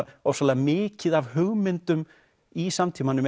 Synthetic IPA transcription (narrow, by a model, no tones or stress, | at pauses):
ɔwsalɛɣamɪːcɪðavɦʏɣmɪnt̪ʏm | isamt̪ʰimanʏm